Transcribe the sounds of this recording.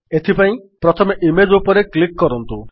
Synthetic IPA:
et̪ʰipaĩpɾɔt̪ʰɔmeʔimed͡ʒupɔɾeklikːɔɾɔnt̪u

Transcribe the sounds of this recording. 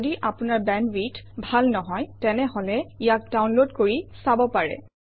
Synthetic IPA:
diʔapʊnaɹbɛnwit | bʱalnɔɦɔjtɛnɛɦɔlɛijak̚dawnlodkoɹisabɔpaɹɛ̰

